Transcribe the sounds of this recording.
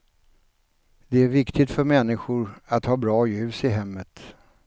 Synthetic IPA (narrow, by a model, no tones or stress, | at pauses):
d̪ɛæɾvɪkt̪ɪt̪fœɾmɛnːɪɧʊɾat̪hɑːbɾɑːjʉ̟ːsɪɦɛmːət̪